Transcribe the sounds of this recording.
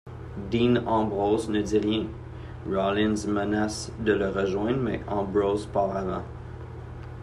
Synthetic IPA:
d̪inɑ̃bʁoznəd̪iʁjɛ̃ | ɹɔlɪ̃nzmənasd̪ələʁəʒwɛ̃d̪ʁmɛ̰ʔɑ̃bʁozpaʁlavɑ̰̃

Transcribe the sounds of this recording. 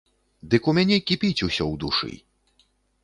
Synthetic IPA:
d̪ɨkumʲanʲɛkʲipʲit͡sʲusʲɔwd̪uʂɨ̰

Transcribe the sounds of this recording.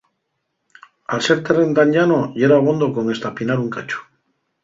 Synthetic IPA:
alse̞ɾt̪erend̪aɲʎanoʎeɾaβ̞o̞nd̪oko̞ŋe̞st̪apinaɾuŋkat͡ʃo̥

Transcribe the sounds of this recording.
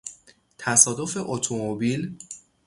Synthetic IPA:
t̪ʰæsɒːd̪o̞fe̞ʔot̪ʰomobil

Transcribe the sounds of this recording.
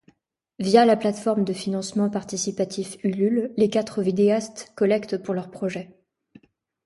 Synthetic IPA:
vjalaplat̪fɔʁmd̪əfinɑ̃smɑ̃paʁt̪isipat̪ʰifylylːekat̪χəvid̪east̪kɔlɛkt̪puʁlœʁpχɔʒɛ

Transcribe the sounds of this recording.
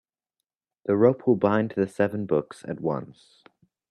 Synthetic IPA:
ðəɹoʊpʰwəlˠbãɪ̃ntʰɨðɨsɛvə̃n̩bʊksɨ̰t̚wʌ̰̃ns

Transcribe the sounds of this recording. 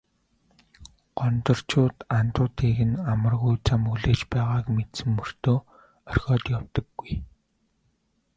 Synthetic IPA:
ɢ̥ɔnt̪ɞ̆r̥t͡ɕʰʊːt̪ant̪ʊːt̪ʰeːɣɘ̆namə̆rɣujt͡sʰamɵɣɮeːt͡ɕpæːʁaːkmet̪sɘ̆mːɵr̥t̪oː | œrxʲɔːt̪jawt̪ɞ̆ɡːuj

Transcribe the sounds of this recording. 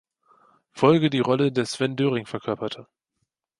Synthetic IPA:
fɔlɡədiːʁɔlədeːɐsv̥ɛndøːʁɪŋfɛɐkʰœɐpɐtʰə

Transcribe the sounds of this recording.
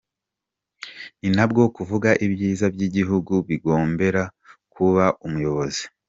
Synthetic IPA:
ninabɡo̞kuvuɡaʔibjiːzabɟiɟiɦuɡuβiɡo̞ːmbe̞ɾakuβaʔumujo̞βo̞zi̥

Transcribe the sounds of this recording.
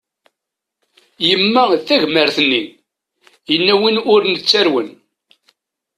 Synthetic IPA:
jəmːæθæʝməɾθənːi | jənːæwinʊɾnət͡sːæɾwən

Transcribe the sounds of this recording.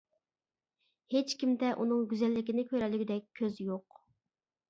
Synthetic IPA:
het͡ʃkʲimd̪ɛʔunɨŋɡʲyzɛlːɪkʲinɪkʲʰøɾɛlyɡʲyd̪ɛk̚ʲʰːøzjoq

